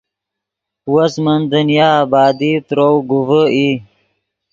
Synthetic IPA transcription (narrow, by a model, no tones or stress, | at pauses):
wəsmənd̪ənjɑːbɑːd̪it̪ɾowɡuvəi